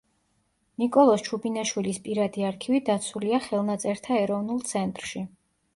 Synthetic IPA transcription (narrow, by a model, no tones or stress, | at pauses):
nikʼɔlˠɔst͡ʃʰubinaʃwilispʼiɾad̪iaɾkʰivid̪at̪sʰuliaχɛlˠnat̪sʼɛɾt̪ʰaɛɾɔvnulˠt̪sʰɛnt̪ʼɾʃi